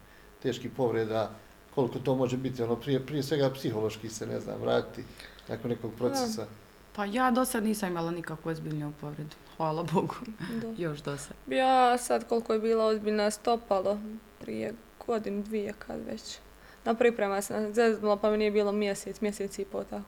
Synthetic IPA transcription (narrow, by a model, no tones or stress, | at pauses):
t̪e̞ːʃkipo̞ʋɾed̪a | ko̞likot̪oːmo̞ʒebit̪ionoːpɾiepɾijesʋe̞ɡapsiɦo̞lˠo̞ʃkisenḛzna̰ːmʋɾa̰ːt̪ina̰konːekoːɡ̚pɾod̪easa | pajaːd̪o̞sad̪niːsamimalˠanikakʋoozbiːʎnuupo̞ʋɾed̪u̥xʋaːlaboɡudd̪ajoʃd̪osad̪bisad̪ko̞lˠkojebiːlˠaozbiːʎnast̪o̞palˠopɾḭjḛ | ɡ̥o̞d̪inud̪ʋijekʰa̰d̪ʋḛt͡ɕ | napɾipɾemasnazeznulˠopamenijebiːlˠomjeset̪smjeseːt̪sipoːt̪ako